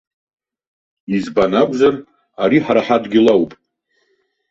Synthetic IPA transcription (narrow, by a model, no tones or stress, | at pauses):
izbanakʷʼzar | aɾiħaɾaħadɡʲilawpʼ